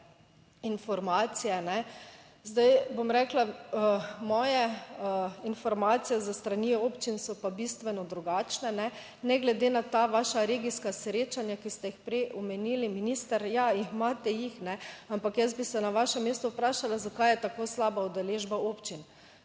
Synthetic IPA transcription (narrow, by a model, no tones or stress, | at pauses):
infɔɾmaːt̪sijɛnɛ | zd̪ajbomɾɛklaəmɔːjɛ | infɔɾmat̪sijɛzast̪ɾanioːpt͡ʃinsɔpabist̪ʋɛnɔd̪ɾuɡat͡ʃnɛnɛ | nɛɡlɛd̪enat̪aʋaːʃaɾeːɡiskasɾeːt͡ʃanjakist̪ɛjixpɾɛjʔɔmɛniliminist̪əɾjaimaːt̪ɛjixnɛampakjɛsbisɛnaʋaʃɛmːeːst̪ɔupɾaːʃalazakajɛt̪akoːslaːbaud̪ɛleːʒbaoːpt͡ʃin